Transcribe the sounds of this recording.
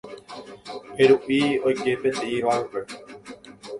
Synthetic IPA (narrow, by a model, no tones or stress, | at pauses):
heɾuʔio̞jke̞pẽnt̪eʔiʋaupe